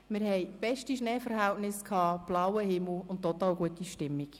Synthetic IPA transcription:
mɪɾɦɛɪb̥ɛʃtiʃnɛːfəɾɦæltnɪskʰɑːb̥lawəhɪml̩ʊntːɔt̪ɑːlɡuətiʃtɪmːik

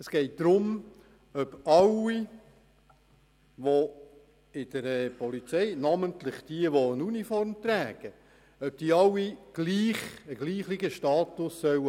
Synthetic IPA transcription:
əsɡ̥ɛɪt̚d̪̥ɾʊm | œb̥ɑwi | ʋo | ɪd̥̪əɾɛpɔlit͡sɛjnɑmənt̪lɪχd̥iəʋoənunifɔɾmt̪ɾæːɡ̥ə | œp̚d̥iːəɑwːiɡ̥liːχəɡliːχlɪɡəʃtɑːt̪ʊsːœw

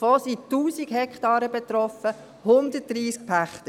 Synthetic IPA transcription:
fosituːsiɡhɛkχtɑːɾəbɛt̪ɾɔfə | hʊndət̚d̥ɾiːsk̚pʰæχt̪ə

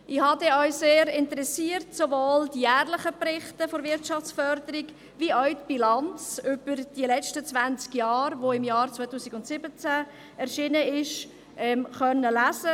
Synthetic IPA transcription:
ʔɪhɑdɛœʏseːɾɪntəɾɛsiːəɾtsovoːld̥ijæːrlɪχəpɾɪχtəfoɾvɪɾtt͡ʃɑft͡sfœɾdəɾɪɡ | viœɥtb̥ilɑnt͡sʏb̥əɾd̥ilɛt͡ʃtət͡svænt͡skjɑːɾʋoɪmjɑːɾt͡svaɪtuːsɪɡʊntsɪbət͡sæ | ɛɾʃinəɪʃ | ʔɛmχœnːəlæsə

